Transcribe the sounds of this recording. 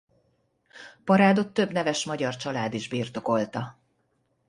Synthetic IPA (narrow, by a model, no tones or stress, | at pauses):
pɒɾaːd̪o̞t̪ːø̞bnɛvɛʃmɒɟɒrt͡ʃɒlaːd̪iʒbiːrt̪o̞ko̞lt̪ɒ